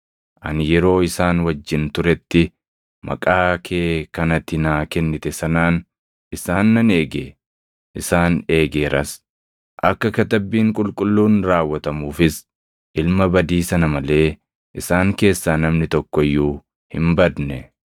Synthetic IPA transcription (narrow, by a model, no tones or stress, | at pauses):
ʔɐ̰njɛɾo̞ːɪsaːnwɐd͡ʒːɪnt̪ʊɾɛt̪ːɪ | mɐ̰kʼaːkʰeːkɐnɐt̪ːɪnaːkɛnːɪt̪ɛsɐnaːn | ʔɪsaːnːɐne̞ːɡḛː | ʔɪsaːne̞ːɡeːɾɐs | ʔɐkːɐkɐt̪ɐbːiːŋkʼʊlkʼʊlːuːnɾaːwːɐt̪ɐmuːfɪs | ʔɪlmɐbɐd̪iːsɐnɐmɐle̞ː | ʔɪsaːŋke̞ːsːaːnɐmnɪt̪ɔkːɔjːuː | hɪ̰mbɐd̪nɛ